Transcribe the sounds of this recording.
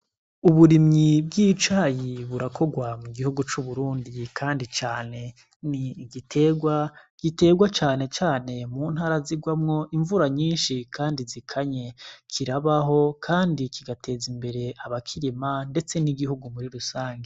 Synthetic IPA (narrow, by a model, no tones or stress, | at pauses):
uβuɾimɲibɡiːt͡ʃaːjiβuɾakʰo̞ɡwamuɡihuɡut͡ʃuβuɾuːndikʰaːndit͡ʃaːne̞ | niɡitʰe̞ːɡwaɡ̥ite̞ːɡwat͡ʃaːne̞t͡ʃaːne̞muːnhaːɾaziɡwamŋo̞ʔiɱvuɾaɲiːnʃikʰaːndizikʰaɲe̞kʰiɾaβaɦo̞kʰaːndikʰiɡatʰe̞ːzimbe̞ɾe̞aβakʰiɾimande̞t͡se̞niɡihuɡumuɾiɾusaːŋɡe